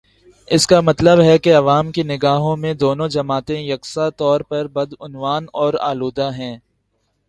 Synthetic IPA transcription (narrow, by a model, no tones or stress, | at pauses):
ɪskamɐt̪ləbɦɛkeɐʋaːmkinɪɡaːɦõmẽd̪oːnõd͡ʒɐmaːt̪ẽjɐksat̪ɔːɾpɐɾbɐd̪ʊnʋaːnɔːɾa̰ːluːd̪aɦɛ̃ː